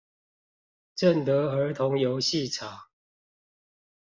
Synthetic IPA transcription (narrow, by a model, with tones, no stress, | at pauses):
ʈ͡ʂə˥˨nt̪ə˨˦ə˨˧˥t̪ʰʊ˨˦ŋjo˨˦ʊɕi˥˨ʈ͡ʂʰa˨˩˦